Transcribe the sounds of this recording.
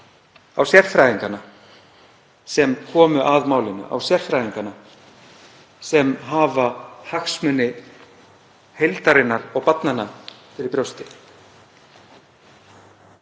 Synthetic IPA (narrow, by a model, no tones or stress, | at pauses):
awsjɛɾ̥fɾajðiŋkanːa | sɛmkʰɔːmʏʔaðmaːwlɪnːʏ̰ʔa̰wsjɛɾ̥fɾajðiŋkana | sɛmɦaːvahaxsmʏnːɪ | hejlt̪aɾɪnːaɾɔɣpat̪nanːafɪɾɪɾpɾjowst̪ɪ